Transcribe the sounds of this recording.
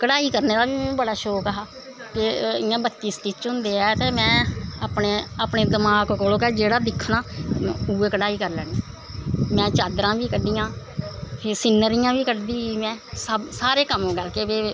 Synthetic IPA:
kəɽaːiːkəɾneːd̪aːʋĩːbəɽaːʃoːkəɦaː | kɪɪjãːbət̪ːiːsʈiːt͡ʃʊnd̪eːaːt̪eːmɛ̃ːaːpneːaːpɳeːd̪əmaːkkoːloːkɛːd͡ʒeːɽaːd̪ɪkʰːnaːuːeːkəɽaːiːkəɾlɛːɽeː | mɛ̃ːt͡ʃaːd̪ɾãːʋiːkəɖiːãː | pʰesɪnːəɾɪjãːʋiːkəɖd̪iːiːmɛ̃ːsəbsaːɾeːkəmõːɡəlkeːʋeː

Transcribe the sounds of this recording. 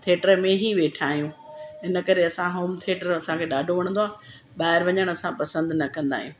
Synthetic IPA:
t̪ʰeːʈəɾmẽɦiʋeːʈʰaːɦijũːɦɪnə̆kɐɾeɐsãɦoːmt̪ʰieːʈəɾɐsãkʰeːɗaːɖʱoʋɐɽ̃nd̪oaː | ɓaːɦɪɾʋɐɲəɽ̃ɐsãpɐsə̃nd̪nɐkɐ̃nd̪a̰ːɦijũ

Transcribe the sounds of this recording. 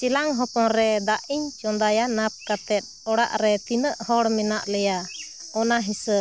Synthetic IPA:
t͡ʃilaŋɦɔpɔnɾɛd̪aʔiɲt͡ʃɔnd̪ajanap̚kat̪ɛt̪̚ˀɔɽa̰ʔɾɛt̪inəʔhɔɽmɛnaʔlɛja | ɔnaɦisə

